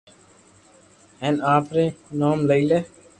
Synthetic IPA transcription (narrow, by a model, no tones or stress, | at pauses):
ɛ̃ːnaːpɾẽːnaːmləiːleː